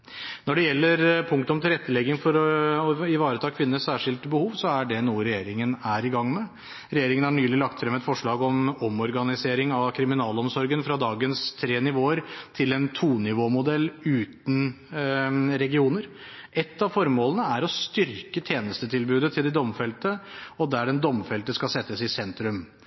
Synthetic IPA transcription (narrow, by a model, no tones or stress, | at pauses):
nɔɖɛjɛlːəɾpʰʊŋk̚t̪ʊmt̪ʰɪlɾɛt̪ːəlɛɡːɪŋfɔɾɔɪʋɑːɾət̪ʰɑːkʰʋɪnːəsæːʂɪlt̪bəhuːʋsɔæɖɛnuːəɾɛjeːɾɪŋənæɾɪɡɑŋːmɛ | ɾɛjeːɾɪŋənhɑɳyːlɪlɑk̚t̪fɾɛmːəɛt̪fɔʂɭɑːɡɔmɔmɔɾɡɑnɪseːɾɪŋɑʋkʰɾɪmɪnɑːlɔmsɔɾɡənfɾɑd̪ɑːɡənst̪ʰɾeːnɪʋoːəɾt̪ʰɪlɛnt̪ʰuːnɪʋoːmʊd̪ɛlːʉːt̪n̩ | ɾɛɡɪuːnəɾ | ʔɛt̪ːɑʋfɔɾmoːlənəæɾɔst̪ʏɾkət̪ʰjeːnəst̪ət̪ʰɪlbʉːd̪ət̪ʰɪld̪ɛd̪ɔmfɛlt̪əɔd̪æɖɛnd̪ɔmfɛlt̪əskɑsɛt̪ːəsɪsɛnt̪ɾʉm